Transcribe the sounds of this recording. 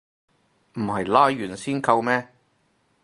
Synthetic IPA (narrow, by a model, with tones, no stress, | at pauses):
m̩˨˩hɐ˨jlaː˥jyː˨˩nsiː˥nkɐ˧wmɛː˥